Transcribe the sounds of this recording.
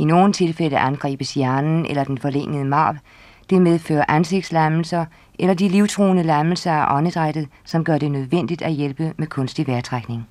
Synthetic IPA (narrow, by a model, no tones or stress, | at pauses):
ino̝ːn̩t͡sʰe̝lfel̰əʔænɡ̥ʁḭːb̥əsjæɐnn̩ʔḛlɐd̥enfɒ̽leŋ̰əð̞̩ˠəmɑ̈ːb | d̥e̝með̞ˠfø̰ːɐʔænse̝ɡ̥̚d̥slæml̩sɐ | elɐd̥iliʊt͡sʰʁo̝̰ːnəlæml̩sɐæʔɒ̽nəd̥ʁad̥ð̩ˠsɒ̽mɡ̥ɶɐɾ̥e̝nøð̞ˠʋen̰d̥id̥æjelb̥əmekʰɔ̽nsd̥iʋæɐt͡sʰʁaɡ̥ne̝ŋ